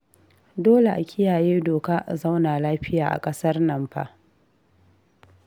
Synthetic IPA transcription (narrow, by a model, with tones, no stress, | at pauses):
doː˦le˨ʔa˨kʲʰɪ˦jaː˨jeː˦doː˨kaː˦ʔza˦wnaː˨laː˦ɸɪ˦jaː˨ʔa̰˨kʼɐ˦sɐ˦rnɐ˨mɸa̰˦˨